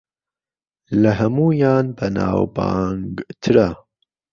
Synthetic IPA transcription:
lɐɦɐmuːjɑːnbɐnɑ̰ːwbɑ̰ːŋɡt̪ʰɨɾa

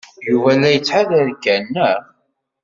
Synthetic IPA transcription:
juvælæjət͡sːħaðəɾɡænːə

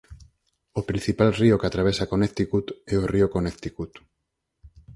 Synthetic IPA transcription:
opɾin̟θipalriokat̪ɾaβesakonet̪ikut̪ɛoriokonekt̪ikut̪

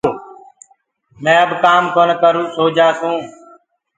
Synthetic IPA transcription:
mɛ̃ːəbkaːmkoːnkəɾũːsoːd͡ʒʱaːsũː

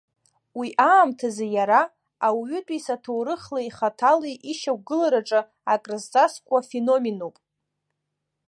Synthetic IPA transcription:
wiʔaːmtʰazejaɾa | awɥʏtʼisatʰowɾɨχlaiχatʰaleʔiʃakʷɡɨlaɾaʈ͡ʂʼɨ | akʼrɨztʼaskʷʼafeno̞menopʼ

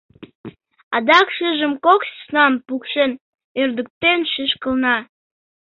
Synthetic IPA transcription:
ɑd̪ɑkʃəʒəmkokssnɑmpukʃen | ørd̪ək̚t̪enʃiʃkəlnɑ

